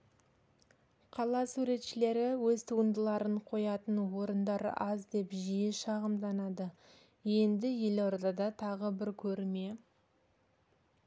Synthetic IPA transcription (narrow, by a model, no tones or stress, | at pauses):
qʰɑlˠɑsuɾe̞t̪ʃɪle̞ɾɪwɵzt̪ʰuənd̪əlˠɑɾəɴqʰo̞jɑt̪ənwo̞ɾənd̪ɑɾɑ̰zd̪e̞pʒijɪʃɑʁəmd̪ɑnɑd̪ə | je̞nd̪ɪje̞loɾd̪ɑd̪ɑt̪ʰɑʁəbɪɾkʲʰɵɾme̞